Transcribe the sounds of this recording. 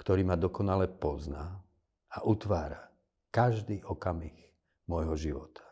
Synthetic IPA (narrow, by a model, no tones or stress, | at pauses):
kt̪ɔɾiːmad̪ɔkɔnalɛpɔzna | aʔut̪ʋaːɾa | kaʒd̪iːʔɔkamix | mɔjɦɔʒiʋɔt̪ʰḁ